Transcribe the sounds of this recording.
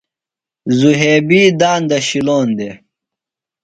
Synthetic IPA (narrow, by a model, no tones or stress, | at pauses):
zuɦeːbiːd̪aːnd̪ɐɕiloːnd̪e